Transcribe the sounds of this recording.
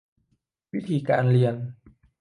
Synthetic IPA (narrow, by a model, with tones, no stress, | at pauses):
wi˦˥t̪ʰi˨kaː˧nli˧ən